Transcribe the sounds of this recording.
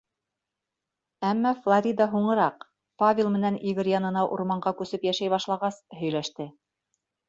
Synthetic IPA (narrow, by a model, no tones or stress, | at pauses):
æmːæflˠɐɾʲid̪ɑɦuɴɤ̆ɾɑq | pavʲɪlˠmɘ̆næniɡɘɾjɑnɤ̆nɑʔuɾmɑɴɢɑkʉsɘpjæʃæjβɑʃlˠɑʁɑshɵ̆jlæʃt̪ɘ